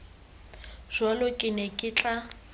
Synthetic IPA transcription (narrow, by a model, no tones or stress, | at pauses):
ʒ̥walʊkʼɪnɛkʼɪt͡ɬʼa